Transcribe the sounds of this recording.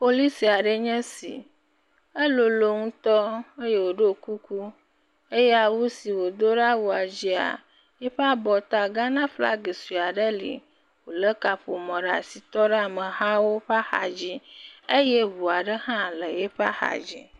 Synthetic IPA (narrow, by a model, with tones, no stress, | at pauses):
po˨li˦si˨a˨ɖə˦ɲɛ̃˦sḭ˨ | e˦lo˨lo˨ŋũ˦t̪ɔ˦e˦je˦wo˨ɖe˦˨ku˦ku˦ | e˦jɛ˦a˨wu˦si˨wo˨d̪o˦ɖa˦wu˨a˨d͡ʑi˦a̰˨ | je˦ɸe˦a˦bɔ˨t̪a˦˨ɡa˦nã˦fla̰˦ɡe˨si˨a˨ɖə˦lḭ˨ | wo˨lə˦ka˨ɸo˨mɔ̃˨ɖa̰˨si˨t̪ɔ˦ɖe˦a˨mə̃˨ɦã˦wo˦ɸa˦xa̰˨d͡ʑi˦e˦je˦βu˨a˨ɖə˦hã˦lə˨je˦ɸa̰˦xa̰˨d͡ʑḭ˦